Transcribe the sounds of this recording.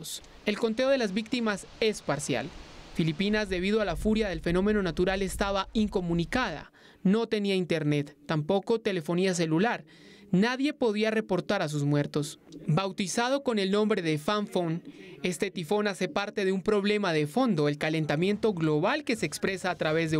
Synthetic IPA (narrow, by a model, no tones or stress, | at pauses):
s | e̞lko̞nt̪e̞o̞ðe̞lazbik̚t̪imas | e̞spaɾsja̰lfilipinazd̪e̞β̞iðoalafuɾjaðe̞lfe̞no̞me̞no̞nat̪uɾale̞st̪aβaiŋko̞mũnikað̞a̰ | no̞t̪e̞niaint̪e̞ɾne̞t̪ːampo̞ko̞t̪e̞le̞fo̞nias̬e̞lulaɾ | naðje̞po̞ðiare̞po̞ɾt̪aɾas̬uzmwe̞ɾt̪o̞sbawt̪isaðo̞ko̞ne̞lnõ̞mbɾe̞ðe̞faɱfone̞st̪e̞t̪ifo̞nase̞paɾt̪e̞ðeumpɾo̞βle̞maðe̞fo̞nd̪o̞e̞lkale̞nt̪amje̞nt̪o̞ɣlo̞βalke̞se̞ːkspɾe̞saːt̪ɾaβe̞zðe